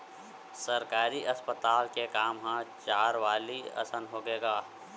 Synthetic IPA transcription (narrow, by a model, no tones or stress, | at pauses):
səɾkaːɾiʔɐspət̪aːlkekaːmɦãt͡ʃaːɾʋaːliɐ̰sənɦoːɡeːɡaː